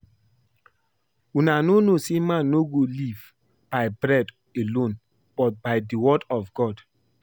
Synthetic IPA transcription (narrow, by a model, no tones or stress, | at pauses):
unanonosemãnːoɡoliv | b̥aɪbɹɛd | elõn | b̥ɔt̚baɪdiwɔdɔvɡɔd